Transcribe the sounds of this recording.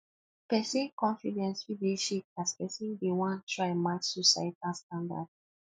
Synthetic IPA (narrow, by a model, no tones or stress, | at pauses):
pɛsĩnkɔ̃nfidɛ̃nsfideʃek̚aspɛsĩndewãntɹaɪmatsɔsa̰italstãnda̰d